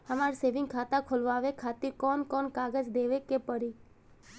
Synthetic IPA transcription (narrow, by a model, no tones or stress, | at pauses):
əmaɾseʋɪ̃ŋɡkʰat̪ãkʰolʋaʋekʰat̪iɾkɔnkɔnkaɡəd͡ʒd̪eʋekepəɾi